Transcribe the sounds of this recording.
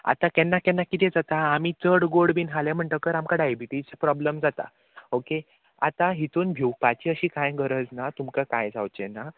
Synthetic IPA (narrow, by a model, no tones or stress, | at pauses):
a̰t̪ãkɛnːakɛ̃nːakit̪ɛ̃d͡zat̪aːmit͡səɽɡoɽbiːnɦalɛ̃m̤əɳʈ̪əkəɾamkaɖajbiʈid͡zpɾɔbləmd͡zat̪a̰ | oke | a̰t̪ãɦit̪uːnbʱjiwpat͡ɕiːəɕiːkajɡəɾəd͡znat̪umkakajd͡za̰wt͡ɕɛna